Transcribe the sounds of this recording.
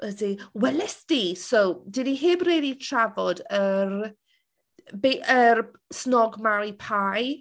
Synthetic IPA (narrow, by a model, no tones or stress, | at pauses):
ədiwɛlɛsd̥iːsowdiniɦɪmreːditʰravɔdər | beʔər | snɔɡmawipʰaj